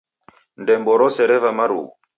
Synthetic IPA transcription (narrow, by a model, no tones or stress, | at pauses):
ndɛmbɔɾɔsɛɾɛvamaɾṵɣu